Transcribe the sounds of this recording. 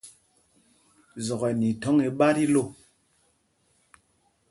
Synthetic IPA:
zɔ˨ɣɛ˨ni˨tɔ˨˦ŋe˨ɓa˦ɾi˦lo˦˨

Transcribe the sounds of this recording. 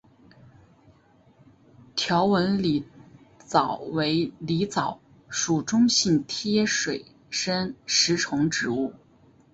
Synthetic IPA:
t̪ʰjɑ˧˥ʊwə˧˥nli˨˧˩ | t͡sɑ˨˩ʊwe˧˥ɪli˧˥t͡sɑ˨˩ʊ | ʂu˨˩ʈ͡ʂʊ˥ŋɕi˥˩nt̪ʰjɛ˥ʂwe˨˩ɪ | ʂə˥nʂɻ̩˧˥ʈ͡ʂʰʊ˧˥ŋʈ͡ʂɻ̩˧˥u˥˩

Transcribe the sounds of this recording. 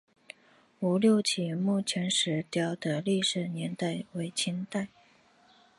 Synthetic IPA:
u˧˥ljo˥˧ʊt͡ɕʰi˨˩mu˥˩t͡ɕʰjɛ˧˥nʂɻ̩˧˥t̪jɑ˥ʊd̪ə˨li˥˩ʂɻ̩˨˩njɛ˧˥nt̪a˥˩ɪwe˧˥ɪt͡ɕʰi˥nt̪a˥˩ɪ

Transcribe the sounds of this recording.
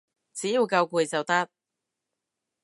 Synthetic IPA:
t͡siː˨˦ji˨˧wkɐ˧wkuː˨˩jt͡sɐ˨wt̪ɐ˥t̚

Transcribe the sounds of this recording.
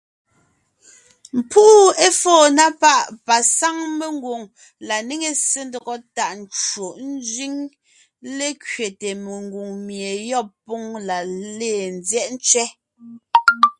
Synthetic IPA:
m̩˨pu˦e˦fɔː˦˨na˦pa˦ʔpa˨sa˦ŋme˨ŋɡu˨ŋ | la˨ne˦ŋe˨se˦ndɔ˨ɣɔ˦ta˨ʔn̩˨t͡ʃwo˨ʔn̩˦zɥi˦ŋ | le˦kɥe˨te˨me˨ŋɡu˨ŋmje˨jɔ˦˨pːo˦ŋla˨leː˦˨n˨zjɛ˦ʔn̩˦t͡ʃɥɛ˦

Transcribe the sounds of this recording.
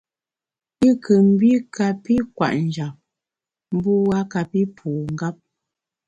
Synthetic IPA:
i˦kʰə˨m̩˦bi˦ka˨pi˦kwa̰˨ʔn̩˨d͡ʒa˨p̚ | m̩˦bu˦wa˦ka˨pi˦pʰuː˨ŋ̩˦ɡa˦p̚

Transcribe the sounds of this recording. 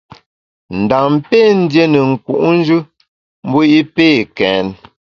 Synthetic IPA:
n̩˨da˨ŋm˦pe˦˨n̩˦dje˦nə˨ŋ̩˨ku˨ʔn̩˦d͡ʒʉ˦ | m̩˦bo˦i˦peː˦˨kɛ˨˦n

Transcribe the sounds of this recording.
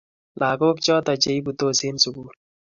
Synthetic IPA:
lʔa˨ko˦k̚t͡ʃɔ˦tɔ˨t͡ʃe˨i˦bu˨to˦se˦nsu˨ɡu˦t̚

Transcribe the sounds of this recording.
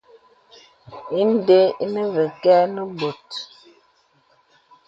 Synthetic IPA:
i˦n˦de˦i˦nə˦və˨kɛ˦nə˦bo˨t

